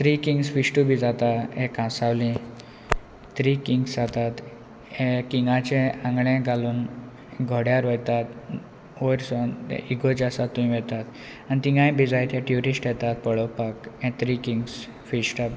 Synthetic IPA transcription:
t̪ɾikiŋɡsfisʈubʱid͡zat̪aɦɛ̃kãsawlĩ | t̪ɾikiŋɡsd͡zat̪at̪ | ẽkiŋɡãt͡ɕɛ̃ãŋɡɭɛ̃ɡʱaluːn | ɡʱoɽjaɾʋəjt̪at̪ | ojɾsɔn̰ʔiɡod͡ʑasat̪ːumĩʋɛt̪at̪ | anit̪iŋɡãj̃bʱid͡zajt̪jɛʈjuɾisʈjɛt̪at̪̚pəɭəwpakɛ̃t̪ɾikiŋɡs | fisʈa

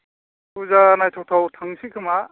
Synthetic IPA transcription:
kuzanajtʰɔwtʰawtʰaŋsikʰɯma

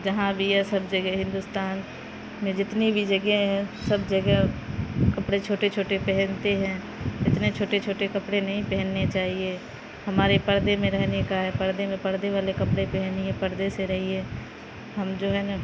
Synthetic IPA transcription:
d͡ʒɐɦãbʱiɦɛsɐbd͡ʒɐɡɛɦɪ̃nd̪ʊst̪aːn | mẽd͡ʒɪt̪nibʱid͡ʒɐɡeɦɛ̃sɐbd͡ʒɐɡɛkɐpɽet͡ʃʰoːʈet͡ʃʰoːʈepɛɦɛnt̪eɦɛ̃ | ɪt̪net͡ʃʰoːʈet͡ʃʰoːʈekɐpɽenɐɦĩpɛɦɛnːet͡ʃaːɦie | hɐmaːɾepɐɾd̪emẽɾɛɦnekaɦɛpɐɾd̪emẽpɐɾd̪eʋaːlekɐpɽepɛɦniɛ̃pɐɾd̪eseɾɐɦie | ɦɐmd͡ʒoːɦɛna

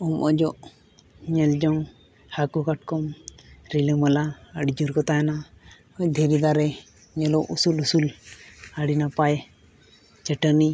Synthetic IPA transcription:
ɔmʔɔd͡ʒɔʔ | ɲɛld͡ʒɔŋ | hakɔkaʈkɔmɾiləməlaəɽid͡ʒuɾkɔt̪ajana | ɔɲd̪ʱeɾid̪aɾɛ | ɲɛlɔʔusulusulaɽinapaj | t͡ʃəʈəni

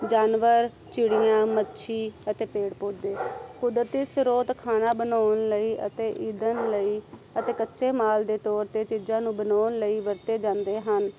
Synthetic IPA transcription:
d͡ʒaːnʋəɾ | t͡ʃɪɽijãːmətːʃʰiːət̪eːpeːɽpoːd̪eːkʊd̪ɾət̪isɾoːt̪kʰaːnaːbənaːnləiːət̪eːʔiːd̪ənləiːət̪eːkətːʃeːmaːld̪eːt̪ɔːɾt̪eːt͡ʃid͡ʒãːnũːbənaːnləiːʋəɾt̪eːd͡ʒãːnd̪eːɦən

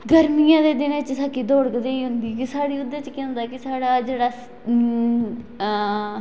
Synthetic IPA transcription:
ɡəɾmijãːd̪eːd̪ɪnet͡ʃsaːkiːd̪oːɽəkd̪eːiːɦʊnd̪iːkɪsaːɽiːʊd̪ːet͡ʃkɛ̃ːnd̪aːkɪsaːɽaːd͡ʒeːɽaː

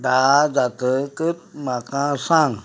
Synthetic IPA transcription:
d̪ad͡zat̪əkɨt̪̚mãkãsãŋ

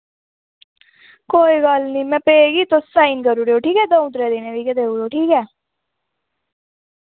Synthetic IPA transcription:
koːiːɡəlnĩːmɛ̃ːpeeɡiːt̪ossaːiːnkəɾuːɾeːoːʈʰiːkɛːd̪oːũt̪ɾɛːd̪eːnẽːʋiːkɛd̪eːuːɾoːʈʰiːkɛː

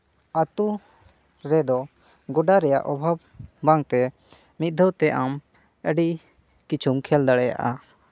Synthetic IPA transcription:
at̪u | ɾɛd̪ɔ | ɡɔɖaɾɛja̰ʔɔbʱab̚ː | aŋt̪ɛ | mit̪̚d̪ʱɔwt̪ɛʔam | əɖi | kit͡ʃʰumkʰɛld̪aɽɛja̰ʔa

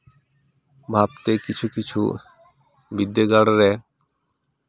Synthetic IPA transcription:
bʱabt̪ekit͡ɕʰukit͡ɕʰṵ | bid̪ːeɡaɽɾɛ

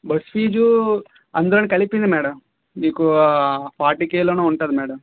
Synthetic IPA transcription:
bɐspiːd͡ʒu | ɐnd̪ɐɾɐnikɐlipind̪imɛːɽɐm | niːkupaːʈikeːloːnuːuɳʈaːd̪imɛːɽɐm

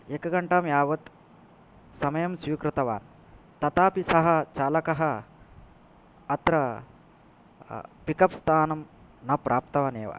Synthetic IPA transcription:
ekɐɡɐɳʈaːmjaːʋɐt̪ | sɐmɐjɐmsiːkɾɨt̪ɐʋaːn | t̪ɐt̪aːpisɐɦɐ̆t͡ʃaːlɐkɐɦɐ | ɐt̪ɾɐ | pikɐpst̪ʰaːnɐmnɐpɾʔaːpt̪ɐʋaːneːʋa̰

